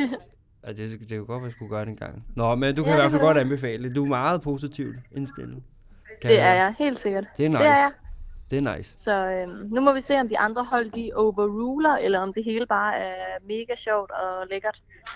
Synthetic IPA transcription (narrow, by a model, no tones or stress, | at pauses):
æd̥e̝d̥ekʰæɡ̥ɒ̽d̥ʋæsɡ̥uɡ̥ɶɐdenɡ̥ɑ̈ŋ̰nɒmend̥ukʰæiʋæɐfælɡ̥ɒ̽dænb̥e̝fɛ̰ːləd̥ed̥uæmɑ̈ːð̩ˠpʰo̝sit͡sʰiʊd̥e̝nsd̥en̰̩ | kʰd̥e̝æɐjɑ̈ɪhe̝̰ːld̥se̝ɡ̥ɐd̥d̥e̝ænɑ̥̈e̝æɐjɑɪd̥e̝æɐnɑ̈ɪ̰ssɒ̽ømnumɒ̽ʋise̝̰ːɒ̽md̥iʔɑ̈nd̥ʁɐɦɒ̽l̰d̥iʔoʊʋɐʁuːlɐʔelɐɒ̽md̥e̝ɦe̝ːləb̥ɑ̈ːæɐme̝ːɡ̥æɕɒʊ̰d̥ɒ̽leɡ̥ɐd̥